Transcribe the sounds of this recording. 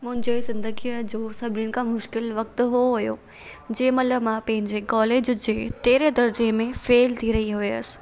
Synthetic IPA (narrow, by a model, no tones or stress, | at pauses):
mʊ̃ɦɪ̃ɲd͡ʑesɪ̃nd̪əɡiəd͡ʑoːsɐbʱɪnjʊnɪ̆kʰãmʊʃkɪlʋɐk̚t̪ɦuoɦʊjo̰ | d͡ʑeːmɐt̪ləbmãpɐ̃ɦɪ̃ɲd͡ʑekɔːleːd͡ʑd͡ʑeːʈ̪eːɾed̪ɐɾd͡ʑemẽfeːlt̪ʰiɾɐɦiɦʊeəs̆